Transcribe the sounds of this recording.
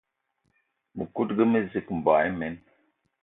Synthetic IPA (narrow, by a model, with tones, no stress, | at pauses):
mə˨ku˦t̚ɡə˦mə˦zi˦km̩˨ba˨˦mɛ˨˦n